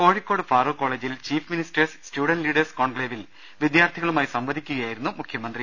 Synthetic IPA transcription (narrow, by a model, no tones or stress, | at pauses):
ko̞ːɻikːo̞ːɖɨfaːroːko̞ːɭeːd͡ʑilt͡ɕiːfministɐrsstjuːɽɐnliːɖɐrskoːɳɡɭeːʋil | ʋid̪jaːrt̪ʰiɣɐɭumaːjsɐmʋɐd̪ʱikʲːuɣɐjaːjiɾunːumukʰːjɐmɐnd̪ri